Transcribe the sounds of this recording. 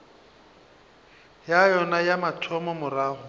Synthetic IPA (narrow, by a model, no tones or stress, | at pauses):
jajɔnajamatʰɔmɔmʊraːɦʊ